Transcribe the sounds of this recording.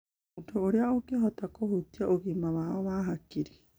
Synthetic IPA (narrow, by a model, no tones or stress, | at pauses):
ntʰooɾeaokeɦɔtakohutiaʔoɣimaβaɔβaɦakiɾe̥